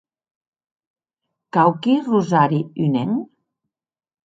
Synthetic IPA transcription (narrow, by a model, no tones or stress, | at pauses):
kawkiruzaɾiyneŋ